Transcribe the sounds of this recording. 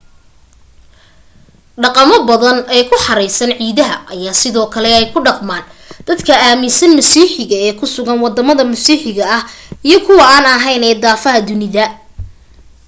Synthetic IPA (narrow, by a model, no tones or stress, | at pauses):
ɖɑqɑmɔbɐðɐnɛːkʰʊħɑɾɛjsɐnʕiːðɐɦɐʔɐjaːsɪðɔːkʰɐlɛɛjkʰʊɖɑqmaːnd̪̥ɐd̪kʰɐaːmɪsɐnmɐsiːħɪɣɐɛːkʰʊsʊɣɐnwɑd̪ɐmɐðɐmɐsiːħɪɣɐɐhijɞkʰʊwɑaːnɐɦɛjnɛːd̪aːfɐɦɐd̪ʊnɪðɐ